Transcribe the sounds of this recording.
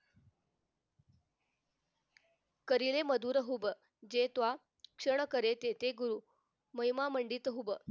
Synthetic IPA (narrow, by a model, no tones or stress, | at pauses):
kəɾileməd̪ʱuːɾəɦubə | d͡ʑet̪ʋa | kʂəɳəkəɾet̪et̪eɡuɾuː | məjmaməɳɖiːt̪əɦubə